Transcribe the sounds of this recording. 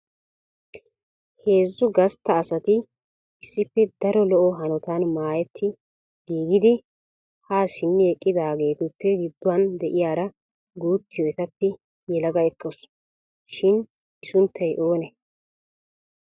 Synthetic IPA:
he̞ːzːʊɡɐst̪ːɐːsɐt̪ɪ | ɪsːɪpːɛd̪ɐɾɔlɔʔɔɦɐnɔt̪aːnmaːjɛt̪ʰːɪ | ɡ̥iːɡɪd̪ɪ | haːsɪnːɪɛkʼːɪd̪aːɡe̞ːt̪ʊpːɛɡɪd̪ːʊwɐnd̪ɛʔɪjaːɾɐ | ɡuːt̪ːɪjɔɛt̪ɐpːɛ | jɛlɐɡɐɛkʼːɔs | ʃɪn | ɪsʊnt̪ʰːɐjʔo̞ːnɛ

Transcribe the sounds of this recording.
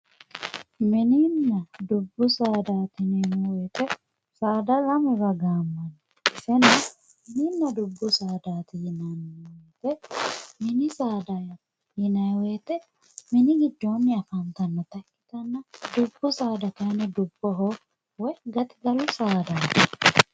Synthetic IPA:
mɪniːnːɐd̪ʊbːʊsaːd̪aːt̪ɪnenuwɛːt̪ɛ | saːd̪ɐlɐmʊɾɐɡaːmːɐn | ɪsɛnɐ | mɪniːnːɐd̪ʊbːʊsaːd̪aːt̪ɪjɪnɐnt̪ɛmɪnɪsaːd̪ajɐ | hɪnɐjweːt̪ɛ | mɪnɪɡɪd̪ːo̞ːnːɪɐfɐnt̪ɐnːɐt̪ɐkʼːɪt̪ɐnːɐd̪ʊbːʊsaːd̪ɐk̪ɐnɛd̪ʊbːɔɦ | wɛɡɐt̪ɪɡɐlʊsaːd̪aːt̪ɐ

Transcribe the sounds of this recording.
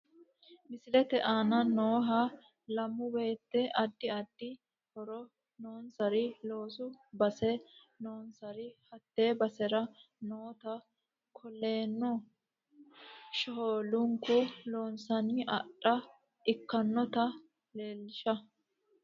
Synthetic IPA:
mɪsɪlɛt̪ɛʔaːnɐnoːɦɐ | lɐmːʊbe̞ːt̪ːɛʔɐd̪ːɪɐd̪ːɪ | hɔɾɔ | noːnsɐɾɪlo̞ːsʊbɐsɛ | no̞ːnsɐɾɪhɐt̪ːe̞ːbɐsɛɾɐ | noːt̪ɐ | kʰɔlːe̞ːnːɔ | ʃɔɦoːlʊŋkʊlo̞ːnsɐnɪʔɐᶑɐ | ʔɪkːɐnːɔt̪ɐ | le̞ːlːɪʃɐ

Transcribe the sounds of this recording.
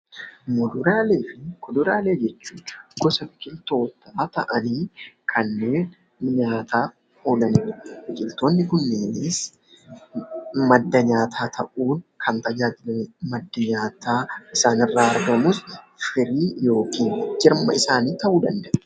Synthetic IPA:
mɔd̪ʊɾaːle̞ːfɪkɔd̪ʊɾaːle̞ːd͡ʒɛt͡ʃːuːɡ̥ɔsɐfɪkʼɪlt̪o̞ːt̪ʰaːt̪ɐʔɐniːkʰɐnːe̞ːn | ɲaːt̪ʰaː | oːlɐnɪːfɪkʼɪlt̪o̞ːnːɪkʊnːeːnes | mɐd̪ːɐɲaːt̪ʰaːt̪ʰɐʔuːnkʰɐnt̪ɐd͡ʒaːd͡ʒɪlɐmmɐd̪ːɐɲaːt̪aːʔɪsaːnɪrːaːɐɾɡɐmuːs | fɪɾiːjo̞ːkiːnd͡ʒɪɾmɐ̰ɪsaːniːt̪ɐʔuːd̪ɐnd̪ɐʔɛ

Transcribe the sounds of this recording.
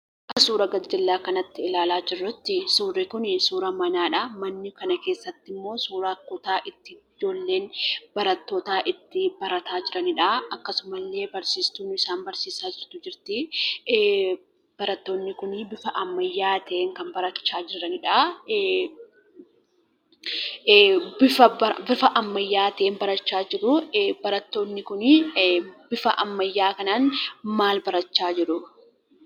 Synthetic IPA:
ʔɐsuːɾɐɡɐd͡ʒɪlːaːkɐnɐt̪ːɪɪlaːlaːd͡ʒɪrːʊt̪ːɪsuːrːɪkʊnɪsuːɾɐmɐnaːᶑɐmɐnːɪkɐnɐke̞ːsːɐt̪ːɪmːo̞ːsuːɾɐkʊt̪aːʔɪt̪ːɪd͡ʒo̞ːlːe̞ːnbɐɾɐt̪ːoːt̪aːʔɪt̪ːɪbɐɾɐt̪aːd͡ʒɪɾɐnɪᶑaɐkːɐsʊmɐlːe̞ːbɐɾsiːst̪uːnɪsaːnbɐɾsiːsaːd͡ʒɪɾt̪ʊd͡ʒɪɾt̪ɪ | b̥ɐɾɐt̪ːo̞ːnːɪkʊnɪbɪfɐʔɐmːɐjːaːt̪eːŋkɐnbɐɾɐt͡ʃːaːd͡ʒɪɾɐnɪᶑa | bɪfɐbɪfɐʔɐmːɐjːaːt̪eːnbɐɾɐt͡ʃːaːd͡ʒɪɾʊbɐɾɐt̪ːo̞ːnːɪkʊn | bɪfɐʔɐmːɐjːaːkɐnaːnmaːlbɐɾɐt͡ʃːaːd͡ʒɪɾʊ

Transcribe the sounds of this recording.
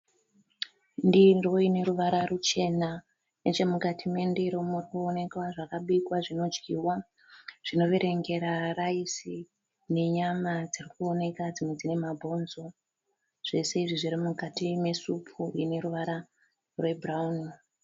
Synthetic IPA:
ndiroine̞ɾuʋaɾarut͡ʃe̞na | net͡ʃemukatʰime̞ndiɾomurikuone̞kwaʐakaɓikwaʐino̞d͡ʒɡiwa | ʐ̥ino̞ʋeɾe̞ŋɡe̞ɾaraisi | ne̞ɲamad͡zirikuo̞ne̞kad͡zimwe̞d͡zine̞mabʱo̞nzo̞ | ʐ̥e̞se̞iʐiʐiɾimukatime̞supʰuine̞ɾuʋaɾa | rwe̞braun

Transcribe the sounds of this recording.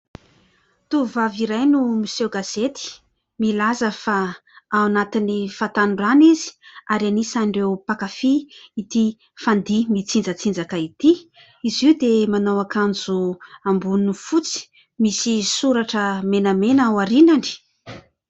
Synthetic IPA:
t̪uvaviɾajnumisewɡaz̥et̪i̥ | milazəfaːwanat̪inifat̪anɖ͡ʐanizi̥aɾianisaɳɖ͡ʐewpakafiːt̪i | fand̪imit͡sind͡zət͡sind͡zakait̪i | iziwd̪emanawakand͡zuambunufut͡si̥ | misisuɾaʈ͡ʂəmenəmenawaɾinaɳɖ͡ʐi̥

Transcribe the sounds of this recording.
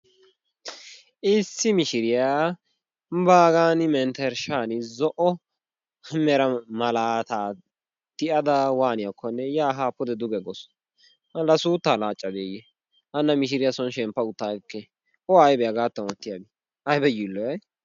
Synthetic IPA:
ʔɪsːɪmɪʃɪɾɪjaː | baːɡaːnɪmɛnt̪ɛɾʃaːnɪzɔʔɔ | mɛɾɐmɐlaːt̪aː | t̪ɪʔɐd̪ɐwaːnɪjakʰːɔnːɛjaːɦaːpːʊd̪ɛd̪ʊɡɛɡɔs | mɐlːɐsuːt̪ːaːlaːt͡ʃʼːɐd̪eːjɛ | ʔɐnːɐmɪʃ̬ɪɾɪjasɔnʃɛmpːɐʊt̪ːaːkːɛ | ɔɐjbɛjɐɡaːt̪ːɐnɔt̪ːɪjabɪ | ɐjbɛjilːɔjɛ

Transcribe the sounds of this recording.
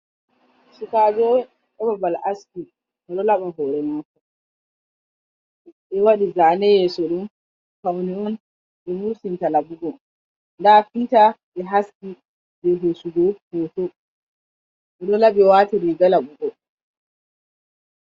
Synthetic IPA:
sukaːd͡ʒɔwɛ | ɗɔbabalʔaski | ɗɛɗɔlaɓaɦɔɾɛmakɔ | ɛwaɗizanɛjɛsɔɗum | kawniɔn | ɓɛmuɾsintalaɓuɡɔ | ndafitaɓɛɦaski | bɛɦesuɡɔhotɔ | ʔɛɗɔlaɓɛwaːtiɾiɡalaɓuɡɔ

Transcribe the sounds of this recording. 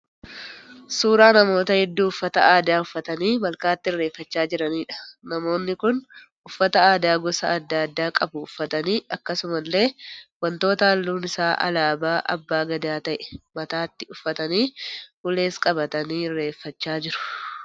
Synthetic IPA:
suːɾaːnɐmo̞ːt̪ɐhɛd̪ːuːʊfːɐt̪ɐʔaːd̪aːʊfːɐt̪ɐniːmɐlkaːt̪ːɪɪrːe̞ːfːɐt͡ʃːaːd͡ʒɪɾɐniːᶑɐ̥nɐmo̞ːnːɪkʊn | ʊfːɐt̪ɐaːd̪aːɡɔsɐ̰ːd̪ːɐd̪ːaːkʼɐbʊʊfːɐt̪ɐniːɐkːɐsʊmɐlːe̞ːwɐnt̪o̞ːt̪ɐɐlːuːnɪsaːʔɐ̰laːbaːʔɐ̰bːaːɡɐd̪aːt̪ɐʔɛ̥mɐt̪aːt̪ːɪʊfːɐt̪ɐniːhʊle̞ːskʼɐbɐt̪ɐniːɪrːe̞ːfːɐt͡ʃːaːd͡ʒɪɾʊ̥

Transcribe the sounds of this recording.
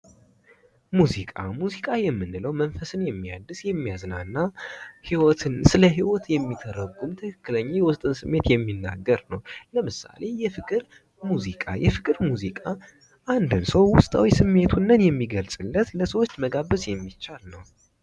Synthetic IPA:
muzikʼa̰muzikʼajɛmːɨnːɨləwmənfəsɨnjɛmːija̰d̪ːɨsjɛmːijaznanːahiwɔt̪ʰɨnsɨləɦiwɔt̪jɛmːit̪ʰəɾəɡːumt̪ʰəkʰɨkːɨləɲːajɛwʊst̪ʼɨnsɨmːe̞t̪jɛmːinːa̰ɡːəɾnəwləmɨsa̰le̞jɛfɨkʼɨɾ | muzikʼa̰jɛfɨkʼɨɾmuzikʼa | ʔand̪ɨnsəwwʊst̪ʼa̰wisɨmːe̞t̪ʰunːənjɛmːiɡəlsʼɨlːət̪ləsəwot͡ʃːməɡaβəsjɛmːit͡ʃːalnəw

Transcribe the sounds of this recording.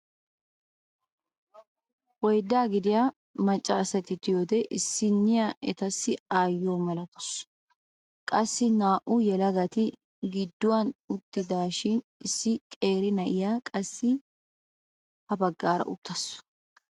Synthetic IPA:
wɔjd̪ːaːɡɪd̪ɪjaː | mɐt͡ʃʼːaːsɐt̪ɪt̪ɪjoːd̪ɛʔɪsːɪnːɪjaʔɛt̪ɐsːɪaːjːoːmɐlɐt̪ɔ̥s | kʼɐsːɪnaːʔʊjɛlɐɡɐt̪ɪ | ɡɪd̪ːʊwɐnʊt̪ːɪd̪aːʃɪn | ɪsːɪkʼe̞ːɾɪnɐʔɪjaːkʼɐsːɪ | hɐbɐɡːaːɾɐ̰ʔʊt̪ːɐsʊ̥

